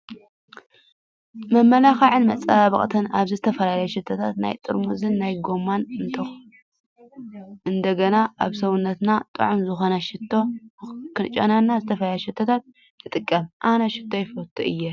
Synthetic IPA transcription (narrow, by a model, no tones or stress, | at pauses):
mɐmːɐlaxaʕɨnmɐt͡sʼaaβɐ̰kʼt̪ʰɨna̰βzɨzɨt̪ʰɐfɐlalɐjɛʃɪt̪ʰːɐt̪ʰat̪na̰jt̪ʼɨɾmuzɨnːajɡomːanɨnt̪ʰɐx | ʔɨnd̪ɐɡɐnaʔaβsɐwunːɐt̪nat̪ʼɨ̰ʕumzɨxo̞nɐʃɪt̪ʰːo̞kʰɨnt͡ʃʼːɐ̰nanːazɨt̪ʰɐfɐlajʃɪt̪ʰːɐt̪ʰat̪̚ | t̪ʰɨt̪ʼɨkʼːɐmʔanɐʃɪ̥t̪ʰːo̞jɪfɐt̪ʰːuʔɨjːɛ